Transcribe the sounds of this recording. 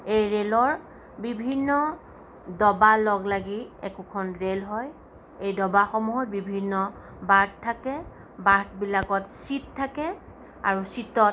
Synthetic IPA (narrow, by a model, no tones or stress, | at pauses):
ejɹelɔɹ | bibʱinːɔ | dɔbalɔɡlaɡiɛ̰kukʰɔnɹelɦɔj | ejdɔbaxɔmuɦɔt̚bibʱinːɔ | bat̚tʰːakɛ | baɹtbilakɔtsittʰːakɛ | a̰ɹusitɔt